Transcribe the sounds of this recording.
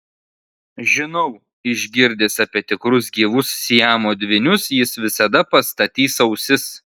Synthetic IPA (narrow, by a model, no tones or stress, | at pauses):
ʒʲɪnɔʊ | ɪʒʲɡʲɪɾʲd̪ʲeːsɐpʲiɛt̪ʲɪkɾʊzɡʲiːʋʊssʲiæmoːd̪ʲʋʲɪnʲʊsjɪsʋʲɪsɐd̪ɐpɐst̪ɐt̪ʲiːsɐʊsʲɪs